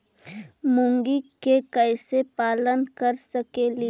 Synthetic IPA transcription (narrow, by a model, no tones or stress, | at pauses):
mʊŋɡikekəjsepaːlənkəɾsɐkeli